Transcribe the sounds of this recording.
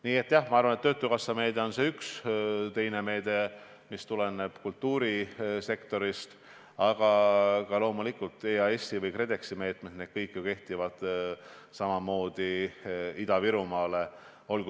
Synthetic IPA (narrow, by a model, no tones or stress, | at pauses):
niːe̞t̪ːˑjɑhmɑɑrvɑnet̪ːøːt̪ːˑukɑsːɑme̞ːd̪̥e̞o̞nseykst̪e̞jne̞me̞ːd̪̥e̞ | mist̪ule̞ne̞b̥kult̪ːuːɾise̞kt̪o̞ɾist̪ | ɑɡ̥ɑkɑlo̞ːmulikult̪ˑeːɑe̞sːivɤjkre̞d̪e̞ksime̞ːt̪ˑmet̪ned̪̥kɤjkːˑjoke̞ht̪ivɑd̪̥ | sɑmɑmo̞ːd̪̥i | id̪ɑviɾumɑːle̞ | o̞lɡu